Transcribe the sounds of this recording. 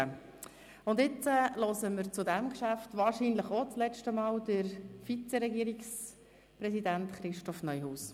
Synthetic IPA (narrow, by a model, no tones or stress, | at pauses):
ʊndɪt͡səlɔsəməɾt͡sʊdæmkʃæftʋɑːɾʃiːnləχot͡slɛt͡ʃtəmɑːldəɾfit͡sɛɾɛɡiːɾiks | pɾɛsidæntχɾɪʃtɔfnœʏhuːs